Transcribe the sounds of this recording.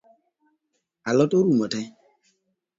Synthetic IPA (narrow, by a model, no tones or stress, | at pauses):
alɔtoɾumɔtɛ